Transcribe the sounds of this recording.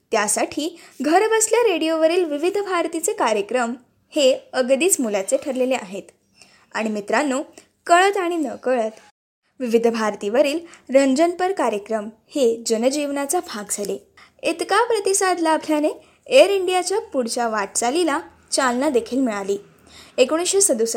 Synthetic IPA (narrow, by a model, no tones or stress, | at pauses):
t̪jasaʈʰiːɡʱəɾbəsljaɾeɽijoʋəɾiːlʋiʋid̪ʱbʱaɾt̪it͡sekaɾjəkɾəm | heəɡd̪iːt͡smulat͡seʈʰəɾleleʔaɦet̪ | a̰ɽ̃imit̪ɾanːo | kəɭət̪aɽ̃inəkəɭət̪ | ʋiʋid̪ʱbʱaɾt̪iʋəɾiːlɾəɲd͡ʑənpəɾkaɾjəkɾəmhed͡ʑənəd͡ʑiʋnat͡sabʱaɡd͡zʱaleit̪kapɾət̪isad̪labʱljane | eəɾiɳɖijat͡ɕjapuɽt͡ɕaʋaʈ̚t͡salila | t͡ɕalnad̪ekʰiːlmiɭaliː | ekoɽ̃isɕesəd̪us